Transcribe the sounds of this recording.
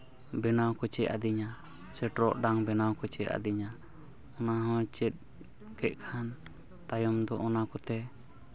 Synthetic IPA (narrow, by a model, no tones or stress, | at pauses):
bɛnawkɔt͡ʃɛʔa̰d̪iɲa | sɛʈɾɔʔɖaŋbɛnawkɔt͡ʃɛʔa̰d̪iɲa | ɔnaɦɔ̃t͡ʃɛt̪̚ | kɛʔ̚ˀkʰan | t̪ajɔmd̪ɔʔɔnakɔt̪ɛ